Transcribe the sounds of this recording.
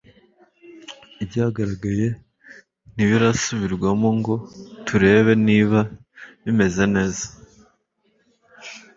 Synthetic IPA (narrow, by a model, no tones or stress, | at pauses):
ibɟaɡaɾaɡaje̞ | niβiɾasuβiɾɡwamo̞ŋɡo̞tʰuɾe̞ːβe̞niːβa | βime̞ze̞ne̞ːzḁ